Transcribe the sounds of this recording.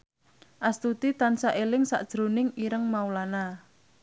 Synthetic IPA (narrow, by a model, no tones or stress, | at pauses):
ʔast̪ut̪it̪ansaʔelɪŋsa̰ʔd̥ʒ̥ɾonɪŋiɾəŋmaulana